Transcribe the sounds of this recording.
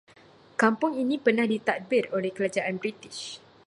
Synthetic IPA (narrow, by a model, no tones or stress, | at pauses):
kampʊŋinĩpərnahdit̪at̪̚bɪrolɛhkəlad͡ʒaʔanbɾit̪ɪʃ